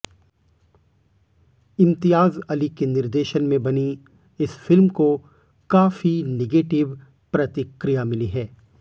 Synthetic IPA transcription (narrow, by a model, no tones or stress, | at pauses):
ɪ̃mt̪ɪjaːzɐlikenɪɾd̪eːʃənmẽbɐni | ɪsfɪlmko | kaːfineɡeːʈɪʋ | pɾɐt̪ɪkɾɪjamɪliɦɛː